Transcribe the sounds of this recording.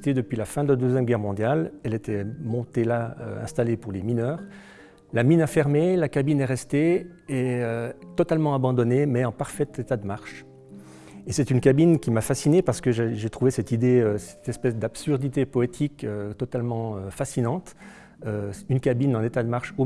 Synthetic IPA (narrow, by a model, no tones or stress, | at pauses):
t̪ed̪əpɥilafɛ̃d̪əlad̪øzjɛmɡʲɛʁmɔ̃d̪jalɛlet̪ʰɛmɔ̃t̪elaø̰ɛ̃st̪alepuʁleminœːʁ | laminɛ̃fɛʁmelakabinɛʁɛst̪e | ɛøt̪ɔt̪almɑ̃abɑ̃d̪ɔnemɛɑ̃paʁfɛt̪et̪ad̪əmaʁʃ | esɛt̪ynkabinkʲimafasinepaʁsə̥kəʒeʒet̪χuvesɛt̪id̪eøsɛ̥t̪ɛspɛsd̪apsyʁd̪it̪epɔet̪ʰikøt̪ɔt̪almɑ̃øfasinɑ̃t̪ | øynkabinɑ̃net̪ad̪əmaʁʃo